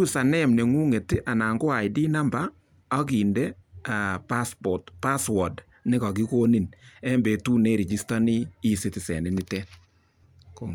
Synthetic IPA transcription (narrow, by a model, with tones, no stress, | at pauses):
u˦sa˨nɛ˦mne˨ŋu˦ŋe˨tɪ˦ʔa˨naː˨ŋɡo˦a˨jdi˦na˦mbaː˦ | k̬i˨nde˦a˨pa˦spɔ˨tpa˦swɔ˨d | nɪ˦ka˨k̬i˦ko˦ni˨nɛ˦mbe˨tu˦ne˦ɾi˨d͡ʒi˦sta˦ni˦i˦si˦tɪ˨sɛ̰˨nɪ˦ni˦tɛ˦n | ko